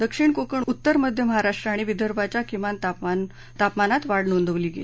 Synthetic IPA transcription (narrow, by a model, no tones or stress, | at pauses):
d̪əkʂiɳkokəɳut̪ːəɾməd̪ʱjəməɦaɾaʂʈɾaːɽ̃iʋid̪ʱəɾbʱat͡ɕjakimant̪apan | t̪apmanat̪ʋaɽnond̪ʱəʋliːɡḛlii